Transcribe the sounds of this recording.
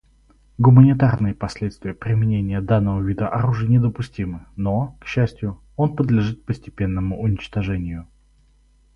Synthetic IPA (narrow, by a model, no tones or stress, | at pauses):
ɡʊmənʲɪt̪arnɨjəpɐsʲlʲet̪st̪vʲɪjəpɾʲɪmʲɪnʲenʲɪjəd̪anːəvəvʲid̪əʔɐɾuʐɨjənʲɪd̪əpʊsʲtʲimɨno̞kɕːæsʲtʲjʊ | o̞npəd̪lʲɪʐɨt̪̚pəsʲtʲɪ̥pʲe̞nːəmʊʔʊnʲɪt͡ɕt̪ɐʐɛnʲɪjʊ